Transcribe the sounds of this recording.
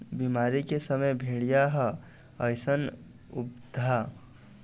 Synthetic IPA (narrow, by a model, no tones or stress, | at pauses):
bimaɾikesəməjbʱeɽijaɦə | əjsən | up̚d̪ʱa